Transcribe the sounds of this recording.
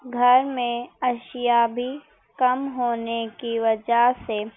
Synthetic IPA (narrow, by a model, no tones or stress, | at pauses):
ɡʱɐɾmẽɐʃjabʱi | kɐmɦoːnekiʋɐd͡ʒase